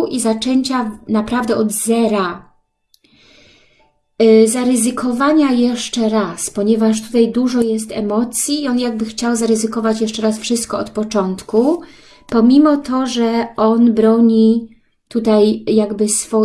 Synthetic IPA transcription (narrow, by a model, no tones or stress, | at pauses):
ʔizat͡ʂɛɲt͡ɕanapɾavd̪ɛɔd̪zɛɾa | zaɾɘzɘkʰɔvaɲajɛʂt͡ʂɛɾaspɔɲɛvaʂ̬t̪u̥t̪ajd̪uʐɔjɛst̪ɛmɔt̪sʲjiːɔnjaɡ̚bɘxt͡ɕawzaɾɘzɘkɔvat͡ɕjɛʂt͡ʂɛɾasfʂɘst̪̚kɔɔt̪pɔt͡ʂɔnt̪ku | pɔmʲimɔt̪ɔʐɛɔnbɾɔɲi | t̪ut̪ajjaɡbɘsfɔ